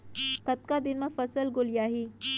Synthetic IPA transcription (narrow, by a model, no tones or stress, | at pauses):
kɐt̪̚kad̪ɪnmãfɐsəlɡʊljaːɦiː